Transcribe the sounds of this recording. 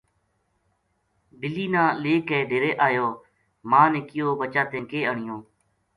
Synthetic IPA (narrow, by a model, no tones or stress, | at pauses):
bɪliːnãːleːkɛːɖeːɾeːʔaːjoː | mãːnẽːkɪjoːbət͡ʃaːt̪ẽːŋkeːəɳɪjõː